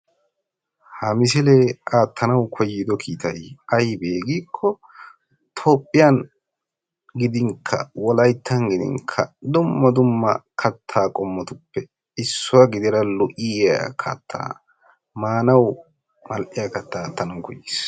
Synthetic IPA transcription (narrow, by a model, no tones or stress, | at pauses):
hɐmɪs̬ɪleaːt̪ʰːɐnɐwkʰɔjːɪd̪ɔkʰiːt̪ɐjɐjbeːɡiːkʰːɔ | t̪ʰo̞ːpʼːɪjan | ɡɪd̪ɪŋkʰːɐ̰wɔlɐjt̪ʰːɐŋɡɪd̪ɪ̰ŋkʰɐ̰d̪ʊmːɐd̪ʊmːɐkʰɐt̪ʰːaːkʼɔmːɔt̪ʊpːɛ | ɪsːʊwɐɡɪd̪ɪɾɐlʊʔɪa̰kʰɐ̰t̪ʰːa̰ː | maːnɐw | mɐlʔɪjakɐt̪ːaːt̪ːɐnɐwkɔjːiːs